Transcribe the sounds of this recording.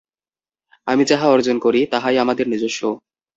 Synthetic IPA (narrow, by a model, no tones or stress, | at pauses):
amid͡ʑaɦaɔɾd͡ʑonkoɾit̪aɦajamad̪eɾnid͡ʑoʃːo